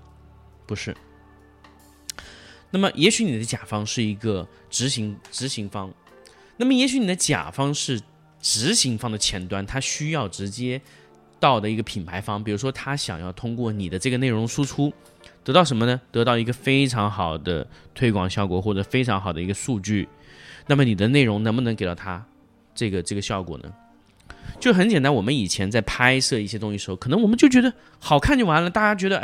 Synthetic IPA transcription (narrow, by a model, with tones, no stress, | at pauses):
pu˧˥ʂɻ̩˥˩ | na˥˩mə˩jʔɛ˧˥ɕy˧˥ni˨˩d̪ə˦t͡ɕja˨˩fɑ˥ŋʂɻ̩˥˩i˧˥ɡə˧ | ʈ͡ʂɻ̩˧˥ɕi˧˥ŋʈ͡ʂɻ̩˧˥ɕi˧˥ŋfɑ˥ŋ | na˥˩mə˩jɛ˧˥ɕy˧˥ni˨˩d̪ə˦t͡ɕja̰˨˩fɑ˥ŋʂɻ̩˥˩ | ʈ͡ʂɻ̩˧˥ɕi˧˥ŋfɑ˥ŋd̪ə˨t͡ɕʰjɛ˧˥nt̪wa˥˩nt̪ʰa˥ɕy˥jɑ˥˩ʊʈ͡ʂɻ̩˧˥t͡ɕjɛ˥ | t̪ɑ˥˩ʊd̪ə˩i˧˥ɡə˧pʰi˨˩npʰa˧˥ɪfɑ˥ŋp̬i˨˩ɻu˧˥ʂwɔ˥t̪ʰa˥ɕjɑ̰˨˩ŋjɑ˥˩ʊt̪ʰʊ˥ŋkwɔ˥˩ni˨˩d̪ə˦ʈ͡ʂɤ˥˩ɡə˩ne˥˩ɪʊ˧˥ŋʂu˥ʈ͡ʂʰu˥ | t̪ɤ˧˥t̪ɑ˥˩ʊʂə˧˥mə˧nə˧t̪ɤ˧˥t̪ɑ˥˩ʊi˧˥ɡə˧fe˥ɪʈ͡ʂʰɑ˧˥ŋxɑ˨˩ʊd̪ə̰˦t̪ʰwe˥ɪkwɑ̰˨˩ŋɕjɑ˥˩ʊkwɔ˨˩xwɔ˥˩ʈ͡ʂɤ˨˩fe˥ɪʈ͡ʂʰɑ˧˥ŋxɑ˨˩ʊd̪ə˦i˧˥ɡə˧ʂu˥˧t͡ɕy˥˩ | na˥˩mə˩ni˨˩d̪ə˦ne˥˩ɪɻʊ˧˥ŋnɤ˧˥ŋmbə˧nɤ˧˥ŋe˨ɪt̪ɑ˥˩ʊt̪ʰa˥ | ʈ͡ʂɤ˥˩ɡə˩ʈ͡ʂɤ˥˩ɡə˩ɕjɑ˥˩ʊkwɔ̰˨˩nə̰˦ | t͡ɕjʊʂxə˧˥nt͡ɕɛ˨˩nt̪a˧˥nwɔ˨˩mə˦ni˨˩t͡ɕʰjɛ˧˥nt͡sa˥˩ɪpʰa˥ɪsɤ˥˧i˥˩ɕjɛ˥t̪̬ʊ˥ŋɕi˧˩ʂɻ̩˧˥o˧˩kʰɤ˨˩nɤ˥ŋwɔ˨˩mə˦nt͡ɕjo˥˩ʊt͡ɕɥɛ˧˥d̪ə˧ | xɑ˨˩ʊkʰa˥˧nt͡ɕjo˥˩wa˧˥nlə˨˩t̪a˥˩t͡ɕja˥t͡ɕɥɛ˧˥d̪ə˧˥